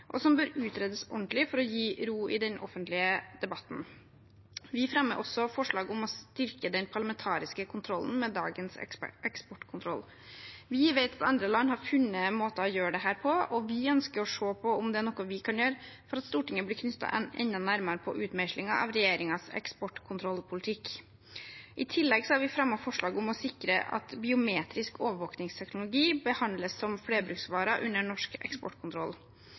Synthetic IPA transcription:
ʔɔ̰sɔmbøːɾʉːt̪ɾeːd̪əsɔ̰ɳt̪lɪfɔɾɔjiːɾuːɪ̰d̪ɛnʔɔ̰fənt̪lɪəd̪̥ɛbɑt̪ːn̩ | ʋɪfɾɑmːəɾʔɔsːɔfɔʂɭɑːɡʊmɔst̪ɪɾkəd̪ɛnpʰɑɭɑmɛnt̪ʰɑːɾɪskəkʰʊnt̪ʰɾɔlːn̩mɛd̪ɑ̰ːɡənsʔɛkspɔʈkʰʊnt̪ʰɾɔlː | ʋɪʋeɪt̪ɑt̪ɑnd̪ɾəlɑnːhɑɾfʉnːəmoːt̪ɑɔjøːɖɛɦæːɾpʰɔɔʋɪœnskəɾɔʂoːpʰɔʊmd̪ɛæɳɔkːɔʋɪkʰɑnjøːɾə | fɔɾɑt̪st̪uːʈɪŋːəblɪkʰnʏt̪ːɑ̰ɛ̰nːɑnæɾmɑɾəpʰɔʔʉːt̪mæʃlɪŋɑʔɑ̰ʋɾɛjeːɾɪŋɑsɛ̰kspɔʈkʰʊnt̪ʰɾɔlːpʰʊlt̪ʰɪkː | ʔɪt̪ʰɪlːɛɡsɔɑɾʋɪfɾɑmːɑfɔʂɭɑːɡʊmɔsɪkɾə̰ʔɑ̰t̪bɪʊmeːt̪ɾɪskoːʋəɾʋoːknɪŋst̪ʰɛknʊlʊɡiːbəhɑnd̪ləsːɔmfleːbɾʉksʋɑːɾɑʔʉnːəɳɔʂkɛ̰kspɔ̰ʈːkʰʊnt̪ɾɔlː

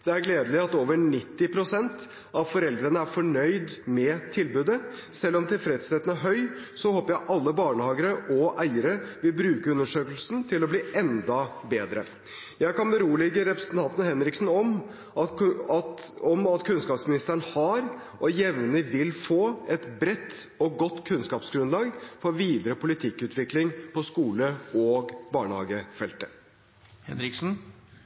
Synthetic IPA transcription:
d̪̥ɛæɾɡleːd̪əlɪɑt̪oːʋəɳɪt̪ːɪpʰɾʊsɛnt̪ | ɑʋfɔɾɛld̪ɾənəæɾfɔɳœʏd̪mɛt̪ʰɪlbʉːd̪əsɛlːɔmt̪ʰɪlfɾɛt̪sɛt̪ːənəɦœʏ | sɔhoːpəɾjæʔɑlːəbɑːɳəhɑːɡəɾəʔɔʔæɪəɾəʋɪlbɾʉːkəʉnːəʂøːklsn̩t̪ʰɪlɔbliːʔɛnd̪ɑbeːd̪ɾə̰ | jæɪkɑnbɛɾuːlɪɡəɾɛpɾəsənt̪ɑnt̪nəhɛnɾɪksn̩ɔm | ɑt̪ɔmɑt̪kʰʉnskɑːpsmɪnɪst̪əɾəɳhɑɾ | ʔɔjɛʋnəʋɪlfoːɛt̪bɾɛt̪ːɔɡɔt̪ːkʰʉnskɑːpsɡɾʉnlɑːɡfɔɾʋiːd̪ɾəpʰʊlɪt̪ʰɪkːʉːt̪ʰʋɪklɪŋpʰɔskuːləɔːɡbɑːɳhɑ̰ːɡəfɛlt̪ə̥ | hɛ̰nɾɪksn̩

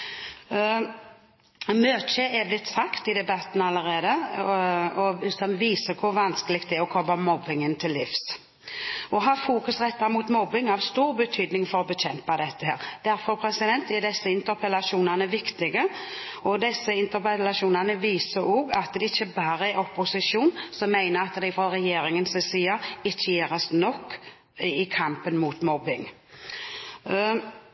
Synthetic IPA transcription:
møːt̪ʃɛeːʋlɪt̪sɑkt̪ɪd̪ɛbɑt̪n̩ɑlːəʁeːd̪ə | ɔsɔmʋiːsəkʰʊɾʋɑnskəlɪɡkt̪ɛæɔkʰɔbɑmɔbːɪŋənt̪ʰɪlːɪfs | ɔɦɑfuːkʉsʁɛt̪ːɑmuːt̪mɔbɪŋɑʋst̪uːɾbət̪ʰyːd̪nɪŋfɔɾɔbəɕɛmpɑd̪ɛt̪ːəheːʁd̪̥æɾfɔʁpʰɾɛsɪd̪ɛnt̪ɛd̪ɛsːəɪnt̪əɾpʰɛlɑʂuːnɑnəʋɪkt̪ɪɡəɔd̪ɛsːəɪnt̪əɾpɛlɑʃuːnɑnəʋiːsəɾoːɡɑt̪d̪ɛɪçːəbɑːɾəæɔpːʊsɪʃuːnsɔmːæɪnəɑt̪d̪ɛɪfɾɔɾɛjeːɾɪŋənsɪsiːəɪçːəjeːʁəsnɔkː | ɪkʰɑmpənmuːt̪mɔbɪŋ

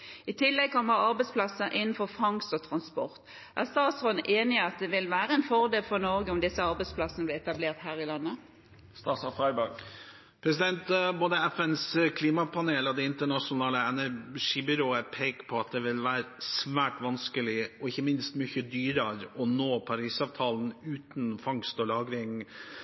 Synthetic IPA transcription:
ɪt̪ʰɪlːɛɡ̚kɔmːəʁɑɾbɛɪspʰlɑsːəɾʔɪnːn̩fɔfɑŋsɔt̪ʰɾɑnspɔʁt̪ | ʔæʁst̪ɑːt̪shɔnʔeːnɪəɑt̪̚d̪ɛʋɪlʋæːɾəɛnfɔʁd̪eːlfɔʁnɔɾɡəʊmd̪ɪsːəɑɾbɛɪspʰlɑsənəblɪɛt̪ɑbleːʁt̪hæːʁɪlɑnːə | st̪ɑːsɑfɾɑɪbəɡ | pʰɾɛsɪd̪ɛnt̪boːd̪əæfɛnskʰliːmɑpʰɑneːləd̪ɛɪnt̪əɳɑʂʊnɑːləɛnæʂiːbʏɾoːəpʰeːkpʰɔɑt̪̚d̪ɛʋɪlʋæːɾsʋæːʈʋɑnskəlɪɔɪçːəmɪnst̪myçəd̪yːɾəɾɔnoːpʰɑɾiːsɑːʋt̪ʰɑːln̩ʉːt̪nfɑŋst̪ɔlɑːɡɾɪŋ

